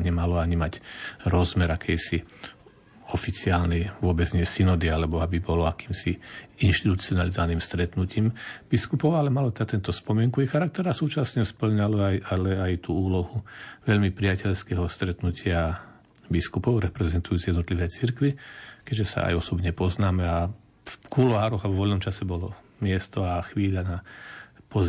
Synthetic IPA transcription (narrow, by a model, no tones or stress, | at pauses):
ɲɛmalɔaɲimacɾɔzmɛɾakʰɛjsi | ɔfit͡siaːlnɛjʋʊɔbɛd͡zɲɪɛsinɔd̪ialɛbɔabibɔlɔakiːmsiinʃt̪it̪ut͡siɔnalizɔʋaniːmst̪ɾɛt̪nuciːmb̥iskupɔʊalɛmalɔt̪ɛd̪at̪ɛnt̪ɔspɔmɪɛŋkuixaɾak̚t̪ɛɾasuːt͡ʃasɲɛspl̩ɲalɔajalɛajt̪uːuːlɔɦuʋɛʎmipɾiacɛʎskɛɦɔst̪ɾɛt̪nucʰɪa | biskupɔʊɾɛpɾɛzɛnt̪ujuːt͡sijɛd̪nɔt̪liʋɛːt͡siɾkʋikɛʒɛsa̰a̰jɔsɔbɲɛpɔznaːmɛa | fkulɔɦaːɾɔɣaʋɔʋɔlnɔmt͡ʃasɛbɔlɔmɪɛst̪ɔaxʋiːʎanapɔz